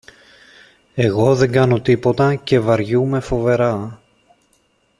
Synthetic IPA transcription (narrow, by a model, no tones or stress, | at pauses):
e̞ɣo̞ðe̞ŋɡɐno̞t̪ipo̞t̪ɐce̞vɐɾʝume̞fo̞ve̞ɾɐ